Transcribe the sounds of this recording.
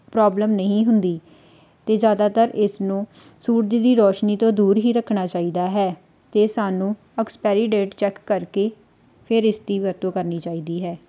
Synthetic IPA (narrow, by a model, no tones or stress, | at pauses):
pɾɔːbləmnəɦĩːɦʊnd̪iː | t̪eːd͡ʒjaːd̪aːt̪əɾɪsnũː | suːɾd͡ʒ̪id̪iːɾɔːʃniːt̪õːd̪uːɾɦiːɾəkʰːnaːt͡ʃaːiːd̪aːɦɛː | t̪eːsaːnũː | əkspɛːɾiːɖeːʈt͡ʃɛkːəɾkeː | pʰɪɾɪst̪iːʋəɾt̪õːkəɾniːt͡ʃaːiːd̪iːɦɛː